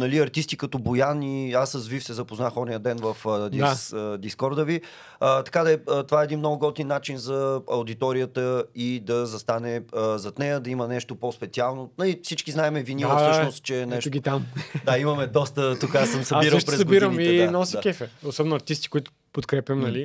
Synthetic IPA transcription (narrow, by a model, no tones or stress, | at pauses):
nɐliɐɾt̪ist̪ikɐt̪ɔbojaniasəzvifsɛzɐpoznaxɔnijəd̪ɛnvəfd̪id̪iskɔɾd̪əvi | ət̪ɐ̥kad̪ɐɛt̪ovaɛd̪inmnɔɡʊɡɔt̪ninːat͡ʃinzɐɐwd̪it̪ɔɾijət̪əid̪ɐzɐst̪anɛəzɐt̪nɛjəd̪ɐimənɛʃt̪opospɛt̪sialˠnonɐlifsit͡ʃkiznaɛmɛvinisʃnost̪̚t͡ʃɛnɛɛʃt̪ɡit̪amd̪aimɐmɛd̪ɔst̪ət̪ukasəmsɐiɾəpɾɛzsɐbiɾəmiiɛnɔsikʲɛfɛosɔbɛnʊɐɾt̪ist̪i̥kʊit̪ʊ̥ | pot̪kɾɛpʲjəmnɐli